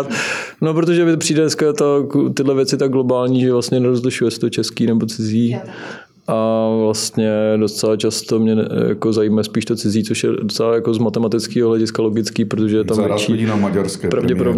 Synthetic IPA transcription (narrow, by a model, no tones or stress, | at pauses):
t̪nop̬ɾot̪oʒɛmɪt̪opr̝̥iːdɛnɛskat̪akut̪ɪdlɛvjɛt͡sɪt̪aɡ̚ɡlobaːlɲiːʒɛvlast̪ɲɛnɛɾozlɪʃujɛsɪ̥t̪ot͡ʃɛskiːnɛbo̞t͡sɪziː | ʔavlast̪ɲɛdost͡sɛlat͡ʃast̪omɲɛ̰ja̰kozajiːmajɛspiːʃt̪ot͡sɪziːt͡soʃjɛ̰dot͡sɛlajako̞zmat̪ɛmat̪ɪt͡skiːɦoɦlɛɟɪskaloɡɪt͡skiːpɾot̪oʒɛjɛt̪amvɛʃiːiːnamaɟaɾskɛpɾavɟɛpodobɲ